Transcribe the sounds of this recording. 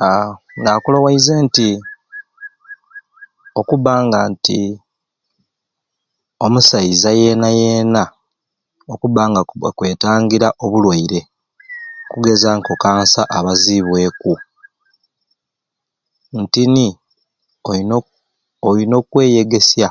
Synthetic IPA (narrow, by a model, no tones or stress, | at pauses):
aŋɡaːkulowaizeːnti | o̞kuβaːŋɡaːnti | o̞musaizaje̞naje̞ːna | okuβaːŋɡakwe̞ːtaːŋɡiɾaʔo̞βulwaiɾe̞ | okuɡe̞zaːŋko̞kaːnsaʔaβaziβwe̞ːku | ntini | o | olino̞kwe̞ːje̞ɡe̞sja